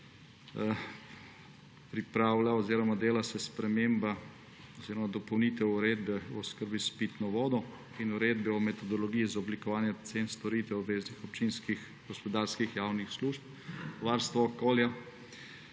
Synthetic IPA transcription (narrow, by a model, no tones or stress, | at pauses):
pɾipɾaːwlaɔziːɾɔmad̪eːlasɛspɾɛmeːmba | ɔziːɾɔmad̪ɔpɔwnit̪ɛuɾeːd̪bɛɔskəɾbispit̪nɔʋɔːd̪ɔ | inuɾeːd̪bɛɔmɛt̪ɔd̪ɔlɔɡijizaɔblikɔʋaːnjɛt̪senst̪ɔɾit̪ʋɛɔbʋeːznixɔp̚t͡ʃinskix | ɡ̥ɔspɔd̪aɾskixjawnixsluʃp̚ | ʋaɾst̪ʋɔɔkoːlja